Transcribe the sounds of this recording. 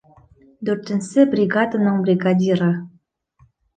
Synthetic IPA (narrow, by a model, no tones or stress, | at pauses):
d̪ørt̪ɘ̆nsebrʲiɡɑd̪ə̆nɤ̆ŋbrʲiɡɑd̪ʲiɾɤ̆